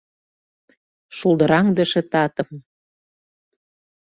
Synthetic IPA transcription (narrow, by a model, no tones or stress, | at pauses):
ʃulˠd̪ɤɾɑŋd̪əʃĕt̪ɑt̪ɤ̆m